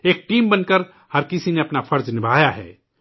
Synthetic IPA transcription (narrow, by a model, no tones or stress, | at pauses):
eːk̚ʈiːmbɐnkəɾ | hɐɾkɪsineɐpnafʰɐɾd͡ʒnɪbʱaːjaɦɛ̰ː